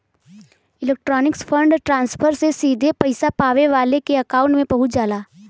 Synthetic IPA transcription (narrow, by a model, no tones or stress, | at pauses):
ɪleːk̚ʈɾɔːnɪkspʰə̃ɳɖʈɾãːnspʰəɾsesiːd̪ʱepɐɪsapaːʋeʋaːlekeɐkaːʊ̃ɳʈmẽpɐɦʊt̪d͡ʒaːlaː